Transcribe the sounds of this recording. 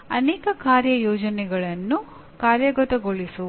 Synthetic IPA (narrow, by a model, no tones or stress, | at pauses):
ɐ̰nɛːkɐkaːɾjɐjɔːd͡ʒɐnɛɡɐɭɐnːu | kaːɾjɐɡɐt̪ɐɡo̞ɭisu